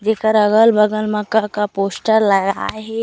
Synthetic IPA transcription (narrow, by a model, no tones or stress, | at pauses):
d͡ʒeːkəɾɐɡəlbɐɡəlmɐkːakapoːsʈəɾlɐɡa̰ɦɛ